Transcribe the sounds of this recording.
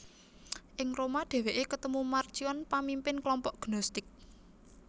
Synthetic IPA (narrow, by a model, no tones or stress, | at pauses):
ʔɪŋromaɖ̪̥ɛ̤weʔekət̪əmumarʒ̥iɔnpamimpɪnklɔmpɔʔɡ̥nɔst̪ɪk̚